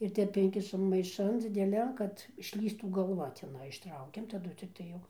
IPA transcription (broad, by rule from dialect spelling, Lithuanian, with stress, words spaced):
ɪr ˈtʲɛp ˈɪŋʲkʲɪʃɐm mɐɪˈʃɐn d͡zʲɪdʲɛˈlʲɛn ˈkɐt ɪʃʲˈlʲiːstuː ɡɐlˠˈʋɐ tʲɛˈnɐɪ ɪʃˈtrɐʊkʲɛm tɐˈdʊ t͡sʲɪkˈtɐɪ jɛʊ